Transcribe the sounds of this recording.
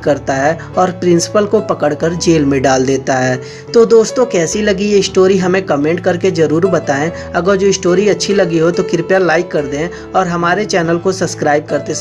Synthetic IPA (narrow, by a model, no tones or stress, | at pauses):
kːɐɾt̪aɦɛ | ɔːɾpɾɪ̃nsɪ̥pəlkopɐkəɽkəɾd͡ʒeːlmẽɖaːld̪eːt̪aɦɛː | t̪od̪oːst̪õkɛːsilɐɡieɪsʈoːɾiɦɐmẽkəmẽːɳʈ̚kɐɾked͡ʒɐɾuːɾbɐt̪aːẽ | ɐɡəɾd͡ʒoːɪsʈoːɾiɐtːʃʰilɐɡiɦot̪okɪɾpjalaːɪkːɐɾd̪ẽ | ɔːɾɦɐmaːɾet͡ʃɛːnəlkosɐbskɾaːɪb̚kɐɾt̪es